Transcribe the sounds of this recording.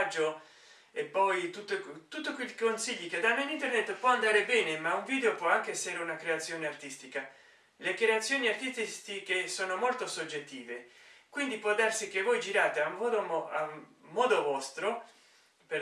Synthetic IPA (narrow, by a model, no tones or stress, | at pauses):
d͡ʒːo | epːɔjt̪ut̪ːot̪ut̪ːokwekonsiʎːiked̪anːoinint̪ernet̪ːpwɔand̪aːɾebɛːnemauɱviːd̪eopwɔaŋkeɛsːeɾeunakɾeat̪sːjoːneart̪ist̪ika | lekɾeat̪sːjoːniart̪ist̪ist̪ikesoːnomolt̪osod͡ʒːet̪ːiːvekwind̪ipwɔd̪arsik̟evojd͡ʒiɾaːt̪eamɔd̪oa̰mːɔːd̪ovɔst̪ɾo | pe